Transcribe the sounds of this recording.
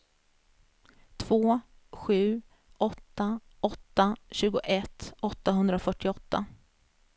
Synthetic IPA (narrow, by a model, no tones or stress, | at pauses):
t̪ʰv̥oː | ɧʉ̟ː | ʔɔt̪ːa | ɔt̪ːaɕʉ̟ːɡʊʔɛt̪ːɔt̪ːaɦɵnd̪ɾafœʈːɪɔt̪ːa̰